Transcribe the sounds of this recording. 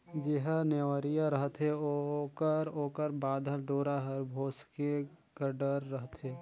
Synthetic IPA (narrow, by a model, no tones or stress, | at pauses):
d͡ʒeɦəneʋəɾijaɾəɦət̪ɦeokəɾoːkəɾbaːd̪ʱəlɖoːɾaɦɐɾbʱoːske | kəɖəɾːəɦt̪ɦeː